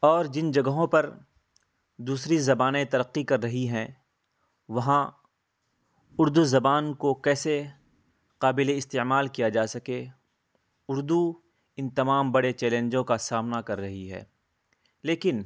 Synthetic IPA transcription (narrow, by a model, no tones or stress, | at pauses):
ɔːɾd͡ʒɪnd͡ʒɐɡəɦõpɐɾ | d̪uːsɾizɐbaːnet̪ɐɾəqːikɐɾːɐɦiɦɛ̃ | ʋɐɦã | ʊɾd̪uzɐbaːnkokɛːse | qaːbɪleɪst̪eːmaːlkijad͡ʒaːsɐke | ʊɾd̪u | ɪ̃nt̪ɐmaːmbɐɽet͡ʃɛːlẽːɲd͡ʒõkasaːmnakɐɾːɐɦiɦɛ̰ː | leːkɪn